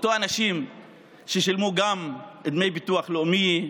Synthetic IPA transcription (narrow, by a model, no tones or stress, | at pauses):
ot̪oanaʃim | ʃeʃilmuɡamed̪mejbit̪uaχlomi